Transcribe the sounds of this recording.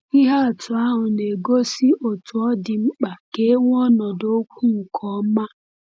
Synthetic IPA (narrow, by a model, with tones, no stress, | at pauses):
i˦ɦa˦a˨tʊ˨a˦ɦʊ˨ne˨ɡo˦si˦ʔo˨tʊ˨ɔ˦dɪ˨ŋ͡m̩˦k͡pa˨ke˦ŋʷ˦ɔ˦nɔ˨do˦kʷu˦ŋ̩˨kʰɔ˨˦ma˦